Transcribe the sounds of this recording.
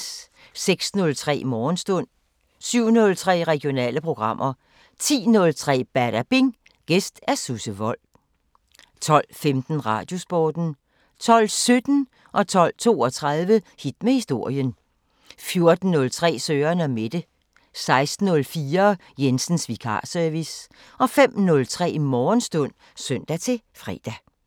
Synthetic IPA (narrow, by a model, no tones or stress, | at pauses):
seɡ̥snɔ̽lt͡sʰʁɛ̰ːmɒːnsd̥ɔ̽n̰ | syʊ̰nɔ̽lt͡sʰʁɛ̰ːʁɛɡ̥io̝nɛ̰ːləpʰʁo̝ɡ̥ʁɑ̈m̰ʔɐ | t͡sʰḭːnɔ̽lt͡sʰʁɛ̰ːb̥æɐɾ̥æb̥eŋ | ɡ̥esd̥æɐsusəʋɒ̽l̰ | t͡sʰɒ̽l̰femd̥n̩ʁɑ̈ːd̥jo̝sb̥ɒːd̥n̩ | t͡sʰɒ̽l̰sød̥n̩ | ʔɒ̽t͡sʰɒ̽l̰t͡sʰo̝̰ːɒ̽t͡sʰʁɑðˠʋəhid̥mehisd̥o̝ɐ̰jən | fjo̝ɐd̥n̩ːɔ̽lt͡sʰʁɛ̰ːsøːɐnæme̝d̥ə | sɑ̈ɪsd̥n̩ɔ̽lfiːɐ | jensn̩sʋikʰɑ̰̈ːsœɐʋis | ʔɒ̽fem̰nɔ̽lt͡sʰʁɛ̰ːmɒːnsd̥ɔ̽n̰ | søn̰d̥æt͡sʰe̝ | fʁɛ̰ːd̥æ